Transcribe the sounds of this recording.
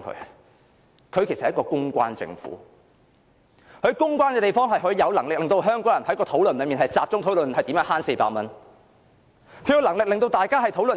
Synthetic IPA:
kʰɵ̰˧˥ | kʰɵ˨˧ɥkʰe˨˩sɐ˨hkɔː˧kʊ˥ŋkʷa̰ː˧˥nt͡sɪ̰˧ŋfṵː˨˥ | kʰɵ˨˧ɥkʊ˥ŋkʷaː˥nkɛː˧t̪e˨˩jfɔː˥ŋɦɐ˨jɦɵ˨˥jɐ˨˧wlɐ˨˩ŋlɪ˨k̚lɪ˨ŋt̪o˧ɦœː˥ŋkɔː˨˥ŋjɐ˨˩nhɐ˨˥jkɔː˧t̪ʰo˨˥wlnlɵ˨˧miː˨˩ɦɐ˨jt͡saː˨p̚t͡sʊ˥ŋtʰo˨˥wlɵ˨nhɐ˨jt̪i˨˥mjœː˧˥nhaː˥nse˧paː˧˥k̚mɐ˥n | kʰɵ˨˧ɥjɐ˧wlɐ˨˩ŋlɪ˨k̚lɪ˨ŋt̪o˧wt̪aː˨jkaː˥ɦɐ˨jt̪ʰo˨˥wlɵ˨

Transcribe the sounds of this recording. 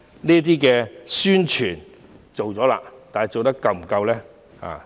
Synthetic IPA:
niː˥t̪̬iː˥kɛː˧syː˥nt͡ʃʰyː˨˩n | t͡so˨wt͡sɔː˨˥la̰ː˧t̪aː˨nhɐ˨˩jt͡so˨wt̪ɐ˥kːɐ˧wm̩˨˩kɐ˧wlɛː˥ | ha̰ː˨

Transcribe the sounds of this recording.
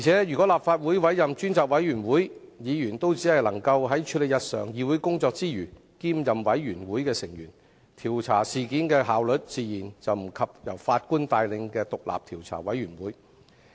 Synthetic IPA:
jiː˨˩t͡sʰɛː˨˥jyː˨˩kʷɔ˨˥laː˨p̚faː˧t̚wuː˨˥jwɐ˨˥jjɐ˨mt͡ʃyː˥nt͡saː˨k̚wɐ˨˥jyː˨˩nwuː˨˥j | jiː˨˧jyː˨˩nt̪o˥wt͡siː˨˥hɐ˨jlɐ˨˩ŋkɐ˧wɦɐ˨˥jt͡ʃʰy˨˧˥le˨jɐ˨t̚sœ̰ː˨ŋjiː˨˧wu˨˥jkʊ˥ŋt͡sɔː˧k̚t͡siː˥jyː˨˩ | kiː˥mjɐ˨mwɐ˨˥jɥyː˨˩nwuː˨˥jkɛː˧sɪ˨˩ŋjyː˨˩n | t̪ʰiː˨˩wt͡sʰaː˨˩siː˨kiː˨˥nkɛː˧ɦaː˨˧wlɵ˨˥t̚t͡siː˨˧jiː˨˩nt͡sɐ˨wm̩˨˩kʰɐ˨p̚jɐ̰˨˩wfaː˧t̚kuː˥nt̪aː˧jlɪ˧ŋkɛː˧t̪ʊ˨k̚la̰ː˨p̚t̪ʰiː˨˩wt͡sʰa̰ː˨˩wɐ˨˥jɥyː˨˩nwuː˨˥j

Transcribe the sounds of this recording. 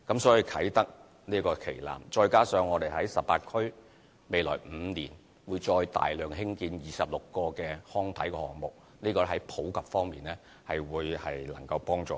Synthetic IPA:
kɐ˨˥msɔː˨˥jiː˨˧kʰɐ˨˥jt̪ɐ˥k̚ | niː˥kɔː˧kʰe˨˩jla̰ː˨˩mt͡ʃɔː˧jkaː˥sœː˨˧ŋːɔː˨˧t̪e˨jɦɐ˨˥jsɐ˨pːaː˧t̚kʰɵ˥ɥ | me˨˧jlɔː˨˩jm̩ː˨˧niː˨˩n | wuː˨˧jt͡ʃɔː˧jt̪a̰ː˨jlœː˨ŋɦɪ˥ŋkiː˧njiː˨˩sɐ˨p̚lʊ˨kːɔː˧kɛː˧hɔː˥ŋt̪ʰɐ˨˥jkɛː˧hɔː˨˩ŋmʊ˨k̚ | niː˥kɔː˧˥ɦɐ˨˥jpʰo˨˥wkɐ˨p̚fɔː˥ŋmiː˨nɛː˥ | hɐ˨jwuː˨˧jhɐ˨jlɐ̰˨˩ŋkɐ˧wpɔː˥ŋt͡sɔ̰ː˨˧

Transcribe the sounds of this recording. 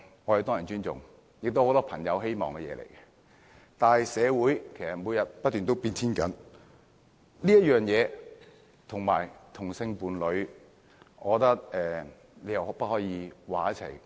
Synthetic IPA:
ŋɔː˨˧jɐ˨˧t̪ɔː˥jɐ˨˩nt͡ʃyː˥nt͡sʊ̰˨ŋ | jk̚t̪o˥ho˧wt̪ɔː˥pʰɐ˨˩ŋjɐ˨˧wɦe˥jmɔ̰ː˨˩ŋkɛ˧jɛ̰ː˨˧lḛ˨˩jkɛ˧ | t̪aː˨nhɐ˨jsɛː˨˧wuː˨˥jkʰe˨˩jsɐ˨t̚muː˨˧jɐ˨t̚pɐ˥t̪̚ːyː˨nt̪o˥wpiː˧nt̪ʰiː˥nkɐ˨˥n | liː˥jɐ˥t̚jœː˨ŋjɛː˨˧ | t̪ʰʊ˨ŋma̰ː˨˩jt̪ʰʊ˨˩ŋsɪ˧ŋpuː˨˧nlɵ˨˧ɥ | ʔɔː˨˧ɔ˧t̪ɐ˥k̚ɛː˨ | le˨˧jɐ˨whwpɐ˥t̚hɔː˨˥jiː˧waː˨˩jɐ˥t͡sʰɐ̰˨˩j

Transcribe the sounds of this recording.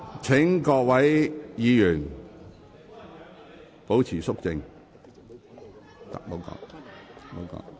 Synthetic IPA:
t͡sʰɪ˨˥ŋkɔː˧k̚wɐ˨˥jjiː˨˧jyː˨˩n | po˨˥wt͡sʰiː˨˩sʊ˥k̚t͡sɪ˧ŋ | t̪a̰˨k̚mo˨˧˥wkɔ̰ː˧kt̪a˨˥mo˨˧wkɔ̰ː˧

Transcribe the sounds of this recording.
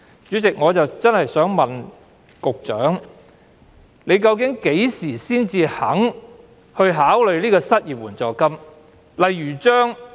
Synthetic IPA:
t͡ʃyː˨˥t͡sɪ˨k̚ŋɔː˨˧t͡sɐ˨wt͡sɐ˥nhɐ˨jsœː˨˥ŋmɐ˨n | kʊ˨k̚t͡ʃœː˨˥ŋ | ne˨˧jkɐ˧wkɪ˨˥ŋke˨˥jsiː˨˩siː˥nt͡siː˧hɐ˨˥ŋ | hɵ˧ɥɦaː˨˥wlɵ˨˧ɥliː˥kɔː˧sɐ˥t̚jiː˨p̚wuː˨˩nt͡sɔː˨˩kɐ˥m | lɐ˨jɥyː˨˩t͡ʃœː˥ŋ

